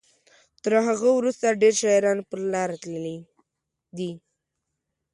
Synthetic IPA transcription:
t̪əɾɦaɣəwɾust̪aɖeɾʃɑɾɑnpəɾlɑɾat̪ləli | d̪i

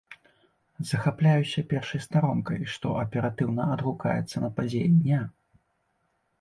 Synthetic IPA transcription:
zɐxaplʲajusʲɐpʲɛrʂɐjst̪aɾɔmkɐjʂt̪ɔ̰ʔɐpʲɛɾat̪ɨwnɐɐd̪ɣuka̰jɛ̰t̪sːɐnɐpad͡zʲejɛd̪ʲnʲa

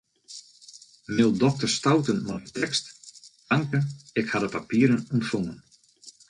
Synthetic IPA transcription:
mɪlˠdɔk̚tərstawtənmaətʰɛkstdaŋkəɪkhadəpapiəɾənuntfoŋən

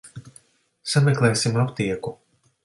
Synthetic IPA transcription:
samʲɛklˠɛːsimapt̪iɛku

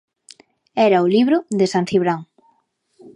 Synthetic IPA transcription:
ɛɾɐʊliβɾʊðesansiβɾaŋ

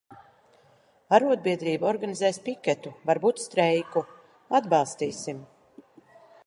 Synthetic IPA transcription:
aɾuɔd̪̚biɛd̪ɾiːbaɔɾɡanizɛːspikʲɛt̪uvaɾbuːt̪st̪ɾɛjku | ad̪bɑlˠst̪iːsim

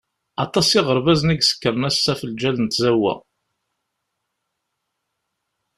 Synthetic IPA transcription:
ɑt̪ˤɑsɪʁəɾˤvæzniɡsə̥kːəɾˤnæsːæfəld͡ʒælənt̪zæwːæ̰

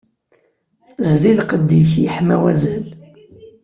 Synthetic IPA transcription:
zlilqəd̪ːiçjəħmæwæzæl

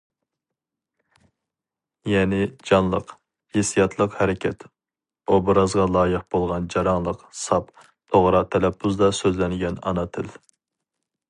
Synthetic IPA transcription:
jɛnɪd͡ʒɑnlˠəq | hesijɑt̪ʰlˠəqhɛɾɪkʲʰɛt̪ | obɾɑzʁɑlˠɑːjəqb̥olˠʁɑnd͡ʒɑɾɑŋlˠəqsɑp | t̪ʰoʁɾɑt̪ʰɛlɛpʰːuzd̪ɑsøzlɛnɡʲɛnɑ̰nɑt̪ʰɪl

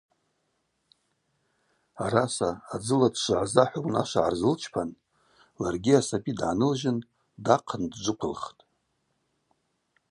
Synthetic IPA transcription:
aɾasaːd͡zɨladʂʷʕazaħʷawna̰ʃʷaʕarzɨlt͡ʃʰpʰan | larɡʲiasapʼidʕanɨlʒɪn | daqʰəndd͡ʒʷɨkʷʰʊlχtʼ

